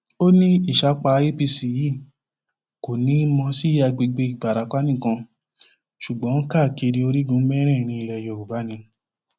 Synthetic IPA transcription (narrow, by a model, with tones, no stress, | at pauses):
o˦nĩ˦i˦˨ʃa˨˦k͡pa˧˦e˦pi˧si˨˦ji˦˨ | ko˨nĩ˨˦mɔ̃˧si˦a˧ɡ͡be˧ɡ͡be˧i˨ɡ͡ba˨ɾa˨˦k͡pa˦nĩ˦˨kã˧ | ʃu˨ɡ͡bɔ̃˨˦ka˦˨ke˧ɾi˧o˧ɾi˦dũ˨˦mɛ˦ɾ̃ɛ̃˦˨ɾ̃ĩ˧i˧lɛ˧˨jɔ˨u˨ba˨˦nĩ˧˦